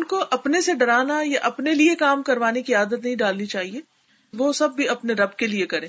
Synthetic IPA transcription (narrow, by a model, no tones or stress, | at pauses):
ʊnkoʔɐpneseɖɐɾaːnajaʔɐpneliekaːmkɐɾʋaːnekiaːd̪ət̪nɐɦĩɖaːlnit͡ʃaːɦieː | ʋosɐbːiɐpneɾɐbkeliekɐɾẽː